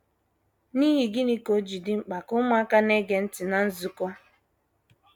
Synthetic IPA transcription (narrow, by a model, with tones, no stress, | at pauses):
ni˦ɦi˨ɡɪ˦ni˦ko˦d͡ʒi˨dɪ˦ŋ͡m̩˦k͡pa˨kʊ˦ma˦ka˦ne˦ɡe˨n̩˦tɪ˨na˨n̩˦zu˨kɔ˦